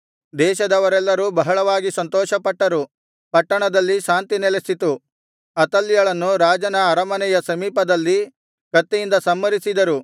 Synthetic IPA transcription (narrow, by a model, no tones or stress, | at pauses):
d̪ɛːʃɐd̪ɐʋɐɾɛlːɐɾuːbɐɦɐɭɐʋaːɡisɐnt̪ɔːʃɐpɐʈːɐɾu | pɐʈːɐɳɐd̪ɐlːiʃaːnt̪inɛlesit̪u | ɐt̪ɐlːijɐɭɐnːuɾaːd͡ʒɐnɐːɾɐmɐnɛjɐsɐmiːpɐd̪ɐlːi | kɐt̪ːɛjind̪ɐsɐmːɐɾisid̪ɐɾu